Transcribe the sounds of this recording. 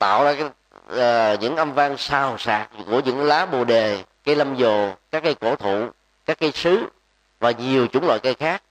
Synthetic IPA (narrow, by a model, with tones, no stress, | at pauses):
t̪a̰ː˧˨wzaː˧kː | ɲɨ̰˧˥ŋʔə˧mva˧ŋsaː˨˩wsa̰ː˧˩k̚ku˧˩əɲɨ̰˧˥ŋlaː˨˦ɓo˨˩ɗe˨˩ka˧˦jlə˧mzo˨˩kaː˦˥kːə˧˦jko˧˩t̪ʰṵ˧˨ | kaː˦˥k̚ːa˨˧˦jsɨ˨˦ | vaː˨˩ɲi˨˩əwt͡ɕʊ˨˧˦ŋ͡mla̰ː˧˨jkə˧jxaː˦˥k̚